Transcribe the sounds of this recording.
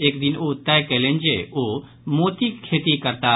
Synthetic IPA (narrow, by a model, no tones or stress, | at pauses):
eːkd̪ɪnot̪ːaekelẽnd͡ʒeo | moːt̪ikʰeːt̪ikɐɾt̪a